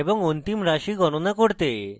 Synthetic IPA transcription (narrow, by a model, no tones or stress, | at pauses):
ebɔŋont̪imɾaʃiɡɔnonakoɾt̪e